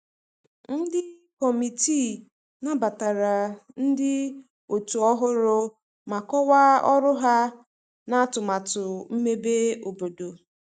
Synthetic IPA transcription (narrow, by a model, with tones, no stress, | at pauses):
n̩˦dɪ˦ | kɔ˨mi˨ti˦˨ | na˦ba˨ta˨ɾa˨n̩˦dɪ˦ | o˨tu˨ɔ˦ɦʊ˦ɾʊ˦ | ma˨kɔ˦wa˦ɔ˦ɾʊ˦ɦa˦ | na˦a˦tʊ˨ma˨tʊ˨m̩˦me˦be˦o˨bo˨do˨